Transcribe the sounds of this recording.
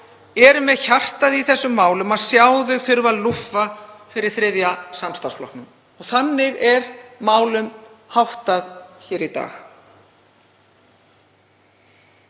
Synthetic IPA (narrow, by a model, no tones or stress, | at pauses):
ɛɾmɛðçar̥t̪aðiθɛsːʏmːaːwlʏmaðsjaːwðʏfʏɾvaðlufafɪɾɪɾ̥θɾɪðjasamst̪asflɔ̰hpnʏm | ɔɣθanːɪɣɛɾmaːwlʏmhawht̪aðçɛːɾit̪a̰ːx